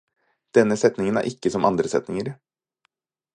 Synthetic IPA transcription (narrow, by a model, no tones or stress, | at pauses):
d̪̥ɛnːəsɛt̪nɪŋənæ̰ɾʔɪkːəsɔmʔɑnd̪ɾəsɛt̪nɪŋəɾ